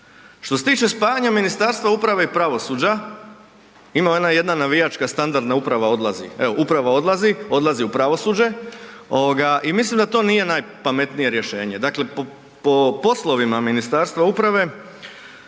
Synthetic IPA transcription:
ʃt̪ose̞t̪iːt͡ʃe̞spaːjaɲaminist̪aːɾst̪ʋaupɾaʋe̞ipɾaʋo̞suːd͡ʑa | imajed̪naje̞d̪nanaʋijat͡ʃkast̪and̪aɾd̪naupɾaʋao̞d̪lˠazḭeoʔupɾaʋao̞d̪lˠazio̞d̪lˠaziupɾaʋo̞suːd͡ʑe̞o̞ʋoɡaʔimislimd̪at̪o̞ːnije̞naːjpame̞t̪nije̞ɾje̞ʃe̞ːɲe̞d̪akle̞p | popo̞slˠo̞ʋimaminist̪aːɾst̪ʋaupɾaʋe̞

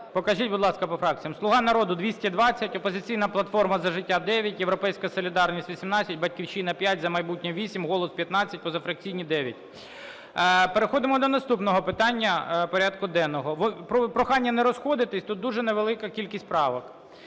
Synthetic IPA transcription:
pɔkɐʒit̚ʲbʊd̪lˠɑskɐpɔfɾɑk̚t͡sʲijɐmslˠʊɦɑnɐɾɔd̪ʊd̪ʋʲisʲtʲid̪ʋɑt͡sʲːɐtʲɔpɔzɪt͡sʲijnɐplˠɐt̪fɔrmɐzɐʒɪtʲːad̪ɛʋʲjɐtʲjeʋɾɔpɛjsʲkɐsɔlʲɪd̪ɑrnʲisʲtʲʋʲisʲimnɑt͡sʲːɐt̚ʲbɐtʲkʲiwʃinɐpʲjatʲzɐmɐjbutʲnʲɔʋʲisʲimɦɔlˠɔspʲjɐt̪nɑt͡sʲːɐt̚ʲpɔzɐfɾɐk̚t͡sʲijnʲid̪ɛʋʲjɐtʲ | peɾexɔd̪ɪmɔd̪ɔnɐst̪upnɔɦɔpɪt̪ɑnʲːɐpɔɾʲad̪kʊd̪ɛnɔɦɔʋɔpɔpɾɔxɑnʲːɐnɛɾɔsxɔd̪ɪt̪ɪsʲt̪ut̪̚d̪uʒɛneʋelˠɪkɐkʲilʲkʲisʲt̪ʲpɾɑʋɔk

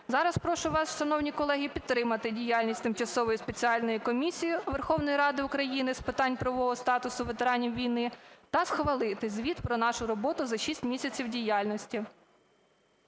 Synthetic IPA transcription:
zɑɾɐspɾɔʃʊʋɑsʃɐnɔwnʲikɔlˠɛɦʲipʲid̪ɾɪmɐt̪ɪdʲijalʲnʲisʲt̪ɪmt͡ʃɐsɔʋɔjispet͡sʲiɑlʲnɔjikɔmʲisʲijiʋerxɔwnɔjɾɑd̪ɪʊkɾɐjinɪspɪt̪ɑnʲpɾɐʋɔɦɔst̪ɑt̪ʊsʊʋet̪eɾɑnʲiwʋʲijnɪt̪ɐsxʋɐlˠɪt̪ɪzʲʋʲit̪pɾɔnɑʃʊɾɔbɔt̪ʊzɐʃisʲtʲmʲisʲɐt͡sʲiwdʲijɑlʲnɔsʲtʲi

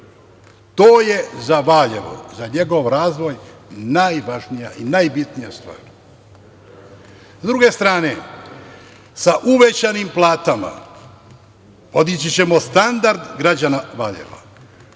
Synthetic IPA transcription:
t̪oːje̞zaʋaʎeʋo̰zaɲe̞ɡo̞ʋɾaːzʋo̞jnajʋaʒnijaʔinajbit̪nijast̪ʋa̰ːɾ | zd̪ɾuɡe̞st̪ɾaːne̞ | saʔuʋet͡ɕanimplˠaːt̪ama̰ | pod̪nit͡ɕit͡ɕe̞mo̞st̪and̪aɾd̪ɡɾad͡ʑanaʋaʎḛʋa̰

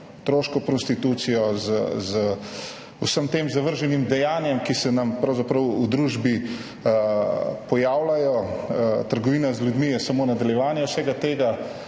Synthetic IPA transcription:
t̪ɾoːʃkɔpɾɔst̪it̪uːt̪sijɔzəzə | usəmt̪eːmzaʋəɾʒɛnimd̪ɛjaːnjɛmkisɛnɐmpɾɐwzapɾəwud̪ɾuːʒbi | pɔjaːwlajɔ | t̪əɾɡɔʋiːnazljud̪mijɛsamoːnad̪aljɛʋaːnjɛwsɛɡat̪eːɡa

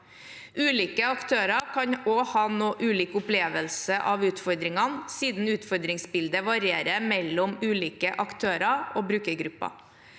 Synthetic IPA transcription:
ʔʉːliːkəɑkt̪ʰøːɾɑkʰɑɲoːhɑːnoːʔʉːliːkʊpleːʋəlsəʔɑːʋʉːt̪fɔɾd̪ɾɪŋɑnsiːd̪n̩ʉːt̪fɔɾd̪ɾɪŋsbɪld̪əʋɑɾɪeːɾəmɛlːɔmʉːliːkəʔɑkt̪ʰøːɾɑʔoːbɾʉːkəɾɡɾʉpːɑ̰

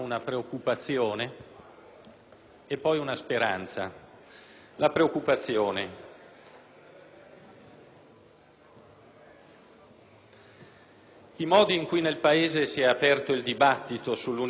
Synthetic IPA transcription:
unapɾeokːupat̪sːjoːne | epːɔjunaspeɾa̰nt̪sa̰ | lapɾeokːupat̪sːjoːne | imɔːd̪iːŋkujnelpaeːzesiɛapɛrt̪oild̪ibat̪ːit̪osulːun

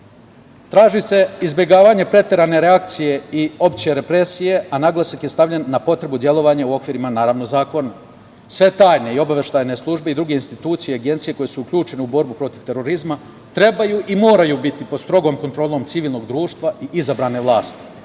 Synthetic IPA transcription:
t̪ɾaːʒise̞izbʲje̞ɡaːʋaɲe̞pɾe̞t̪eɾane̞ɾeak̚t̪sije̞io̞pt͡ɕijeɾe̞pɾe̞sije̞anaɡlˠasakjest̪aʋʎʲenːapo̞t̪ɾe̞bud̪je̞lo̞ʋaɲauo̞kʋiːɾimanaːɾaːʋnozaːko̞na | sʋe̞t̪aːjne̞io̞baʋe̞ʃt̪aːjne̞slˠuʒbe̞id̪ɾuɡe̞inst̪it̪uːt̪sijeaɡe̞nt̪sije̞ko̞je̞suukʎʲuːt͡ʃe̞neubo̞ɾbupɾo̞t̪iʋt̪e̞ɾo̞ɾizma | t̪ɾe̞bajuːʔimo̞ːɾajuːbit̪ipod̪st̪ɾo̞ɡo̞ːmko̞nt̪ɾo̞ːlo̞mt̪siʋiːlˠno̞ɡd̪ɾuːʃt̪ʋaiʔizabɾane̞ʋlˠaːst̪i̥

